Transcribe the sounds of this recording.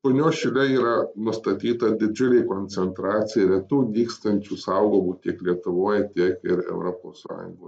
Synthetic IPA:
ponʲoːʃʲɪlʲɛiːɾɐnʊst̪ɐt̪ʲiːt̪ɐd̪ʲɪd͡ʒʲʊlʲeːkoːnʲt͡ssʲɛnt̪ɾɑːt̪sʲɪjɛɾʲiɛt̪uːd̪ʲiːkst̪ɐnʲt͡ʃʲusɐʊɡoːmuːt̪ʲiɛklʲiɛt̪ʊʋoːjt̪ʲiɛkɪɾɛ̰ʊɾoːpo̰ːssɑ̰ːjʊ̰ŋɡoː

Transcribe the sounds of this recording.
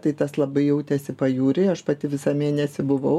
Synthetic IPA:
t̪ɐɪt̪ɐslˠɐbɐɪjɛʊt̪ʲɛsʲɪpɐjuːɾʲeɐʃpɐt̪ʲɪʋʲɪsɑːmʲiɛnʲɛsʲɪbʊʋɐʊ

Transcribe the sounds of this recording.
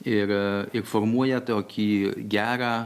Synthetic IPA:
ɪɾɪɾfoɾmuɔjɛt̪oːkʲʰiːɡʲæːɾɑː

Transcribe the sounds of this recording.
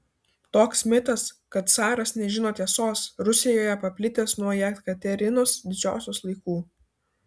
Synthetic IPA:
t̪oːksmʲɪt̪ɐskɐt̪̚t̪sɑːɾɐsnʲɛʒʲɪnoːt̪ʲiɛsoːsɾʊsʲɪjoːjɛpɐpʲlʲɪt̪ʲeːsnuɔjɛt̪kɐt̪ʲɛɾʲɪnoːsd̪ʲɪd͡ʒʲo̰ːsʲoːslˠɐɪkuː

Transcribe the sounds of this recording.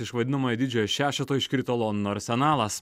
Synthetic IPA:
ɪʃʋɐd̪ʲɪnɐmoːjɛd̪ʲɪd͡ʒʲoːjɛʃʲæːʃʲɛt̪oːjɪʃʲkʲɪɾʲt̪ʲoːlˠoːnʲnoɐɾʲsʲɛnɑːlˠɐs

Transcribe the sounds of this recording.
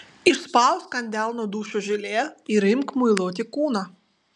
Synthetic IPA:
iʂspɑwskɐnʲd̪ʲalˠnɔd̪uʃʊʒɪlʲɛiɾɪmkmʊjlˠɔt̪ʲɪkunɐ

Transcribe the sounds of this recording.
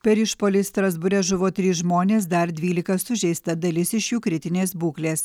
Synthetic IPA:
pʲɛɾɪʃpoːlʲɪst̪ɾɐzbʊɾʲɛʒʊʋoːt̪ʲɾʲiːsʒmoːnʲeːs̬d̪ɐɾd̪ʲʋʲiːlʲɪkɐsʊʒʲɛɪst̪ɐd̪ɐlʲɪsɪʃjuːkɾʲɪt̪ʲɪnʲeːsbuːklʲeːs

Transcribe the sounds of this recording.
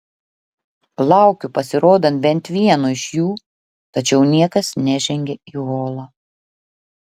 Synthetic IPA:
lˠɑˑʊkʲupɐsʲɪɾoːd̪ɐnt̪̚bʲɛnt̪ʲʋʲiɛnoːɪʃjuː | t̪ɐt͡ʃʲɛʊnʲiɛkɐsnʲɛʒʲɛŋʲɡʲɛiːɣoːlˠɑː

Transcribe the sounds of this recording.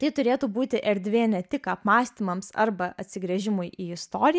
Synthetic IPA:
t̪ɐɪt̪ʊɾʲeːt̪uːbuːt̪ʲɪʔɛɾʲd̪ʲʋʲeːnʲɛt̪ʲɪkɐpmɑːsʲt̪ʲiːmɐmsɐ̰ɾbɐʔɐt̪ʲsʲɪɡɾʲɛʒʲɪmʊjʔiːɪst̪oːɾʲɪj

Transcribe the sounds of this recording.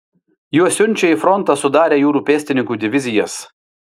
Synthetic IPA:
juɔsʲʊnʲt͡ʃʲɛifɾɔnˑt̪ɑsʊd̪ɑːɾʲeːjuːɾuːpʲeːsʲt̪ʲɪnʲɪŋkuːd̪ʲɪʋʲɪzʲɪjɛs

